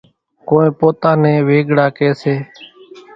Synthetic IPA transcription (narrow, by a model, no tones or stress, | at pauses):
koːẽːpoːt̪aːnẽːʋeːɡɽaːkeːseː